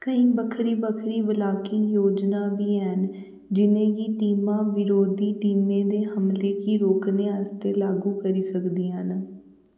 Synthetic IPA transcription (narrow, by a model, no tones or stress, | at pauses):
kəĩːbəkʰɾiːbəkʰɾiːʋəlaːkiːjoːd͡ʒnaːʋiːɛn | d͡ʒɪnẽːɡiːʈiːmãːʋɪɾoːd̪iːʈiːmẽːd̪eːɦəmleːkiːɾoːkneːəst̪eːlaːɡuːkəɾiːsəkd̪iːɦən